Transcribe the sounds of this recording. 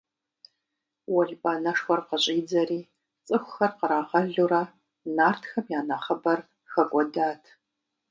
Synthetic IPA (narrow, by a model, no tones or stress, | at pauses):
wɔɮbʼaːnɐʂxʷɐrqəɕʼiːd͡zɐriː | t͡sʼɨxʷʊxɐrqəɾaːʁɐɮuɾa | naːrtʰxɐmjaːnɐχɐbɐr | xɐkʷʼɔdaːtʰ